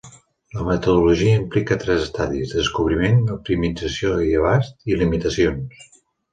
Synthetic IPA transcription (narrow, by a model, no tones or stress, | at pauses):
ləmət̪əðuluʒiəimplikət̪ɾɛzəst̪aðizðəskuβ̞ɾimenup̚t̪imid͡zəsioiəβ̞ast̪ilimit̪əsions